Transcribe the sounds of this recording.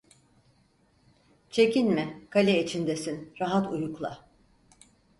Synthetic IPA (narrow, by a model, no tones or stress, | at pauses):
t͡ʃʰe̞cʰinmɪkʰalʲɛit͡ʃʰind̪esinɾaɦat̪ujuklˠa̰